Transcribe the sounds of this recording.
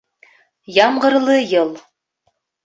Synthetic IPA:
jɑmʁɤ̆ɾlˠɤjɤlˠ

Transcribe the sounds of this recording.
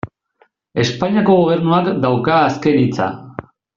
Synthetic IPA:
e̞spaɲiako̞ɣoβ̞e̞ɾnuakd̪awkaːske̞nit͡sa̰

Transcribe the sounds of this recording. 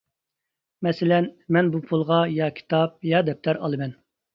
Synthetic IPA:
mɛsɪlɛnmɛnbupʰulˠʁɑjɑkʲʰi̥t̪ʰɑp̚jɑd̪ɛp̚t̪ʰɛɾɑ̰lˠɨmɛn

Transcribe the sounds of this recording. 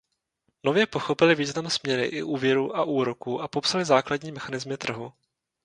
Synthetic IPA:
no̞vjɛpo̞xo̞pɪlɪviːznamsmɲɛɾɪ̰ʔɪ̰ʔuːvjɛɾuːʔaʔuːɾo̞kuːʔapo̞psalɪzaːkladɲiːmɛxanɪzmɪt̪r̩ɦu

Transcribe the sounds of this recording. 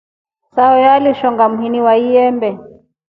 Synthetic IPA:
saɔjaliʃɔŋɡamuɦiniwaiɛmbɛ

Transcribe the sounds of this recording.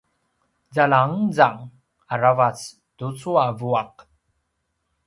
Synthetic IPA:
zalaŋd͡zaŋ | aɾavat͡s | tut͡suavuaq

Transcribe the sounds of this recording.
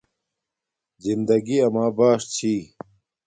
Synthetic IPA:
zind̪ɐɡiɐmaːbaːʂt͡ɕʰiː

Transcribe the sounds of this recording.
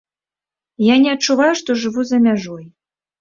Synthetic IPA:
janʲɛɐtt͡ʂːuvajuʂt̪ɔʐɨvuzɐmʲaʐɔj

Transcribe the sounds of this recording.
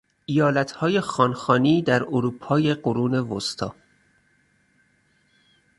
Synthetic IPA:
ʔijɒːlæt̪ʰhɒːje̞xɒːnxɒːniːd̪æɾoɾuːpʰɒːje̞ɢoɾuːne̞vost̪ʰɒ̰ː

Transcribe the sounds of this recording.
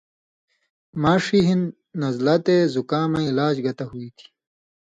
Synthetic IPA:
maːʂiɦinː | ɐzlɐt̪ezukaːmɐ̃ilaːd͡ʑɡɐt̪ɐɦuit̪ʰi̥

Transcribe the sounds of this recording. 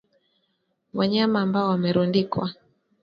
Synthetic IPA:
waɲamaːmbaɔwamɛɾundikwa

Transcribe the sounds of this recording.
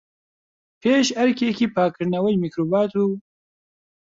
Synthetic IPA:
pʰeːʃɐɾkeːkipʰaːkɾnɐwɐjmikɾoːbɑːt̪u

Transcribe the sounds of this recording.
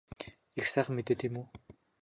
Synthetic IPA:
ixsæːχ̆mːet̪ɘ̆t̪ʰimu

